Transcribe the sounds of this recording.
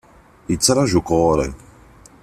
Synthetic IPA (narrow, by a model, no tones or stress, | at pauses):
it͡saɾaʒukɔːɾɛ̰ŋ